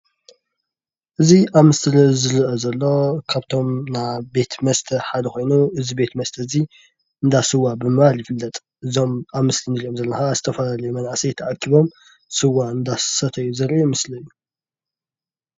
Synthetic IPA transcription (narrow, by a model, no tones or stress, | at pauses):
ʔɨziʔamɨst̪ʰɨɾɐzɨɾɨʔɐzɐlːo̞kʰaβt̪ʰo̞mnabe̞t̪mɐst̪ʰɐħad̪ɐxo̞jnuʔɨzibe̞t̪mɐst̪ʰɐzi | ɨnd̪asɨwabɨmɨβaljɪfɨlːɐt̪ʼ | ʔɨzo̞mamɨst̪ʰɨnɾiomzɐlːɐnxazɨt̪ʰɐfɐlalɐjumɐnʕasijɛt̪ʰɐʔakʰːiβo̞m | sɨwːaɨnd̪assɐt̪ʰɐjːuzɐɾʔmɨslɐjːu